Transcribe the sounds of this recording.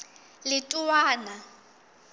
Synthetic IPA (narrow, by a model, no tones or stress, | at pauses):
lɪtʼuwaːna